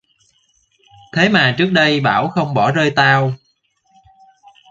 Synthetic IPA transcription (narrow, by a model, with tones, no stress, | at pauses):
t̪ʰe˨˦maː˨˩t͡ɕɨ˦˥ək̚ɗə˧jɓa̰ː˧˩wxə˧wŋ͡mɓɔ˧˩zəː˧jt̪aː˧w